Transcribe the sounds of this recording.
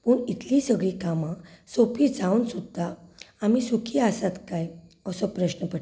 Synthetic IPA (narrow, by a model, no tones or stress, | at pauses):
puːɳit̪lisəɡɭiːkamãsopid͡zawnsud̪ʱːaamisukʰiasat̪kajəsɔpɾəɕnəpəʈ